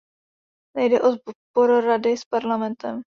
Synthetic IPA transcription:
nɛjdɛʔozbboɾʊɾadɪspaɾlamɛnt̪ɛm

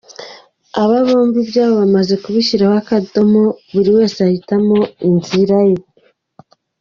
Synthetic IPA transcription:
aβaβoːmvibjaːβoβamaze̞kuβiʃiɾaβakado̞moβuɾiwe̞ːseahitamo̞inziɾaje̞

